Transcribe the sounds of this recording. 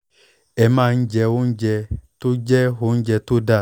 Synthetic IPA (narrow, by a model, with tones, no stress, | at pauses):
ɛ˨mã˦˨n̩˦d͡ʒɛ˧wo˦n̩˦d͡ʒɛ˧to˦d͡ʒɛ˦ɦo˦n̩˦d͡ʒɛ˧t̪o˦da˦˨